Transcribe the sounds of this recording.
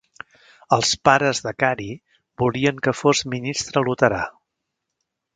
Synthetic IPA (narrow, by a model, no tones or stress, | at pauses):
əlˠspaɾəzðəkaɾi | buliəŋkəfozminist̪ɾəlut̪əɾa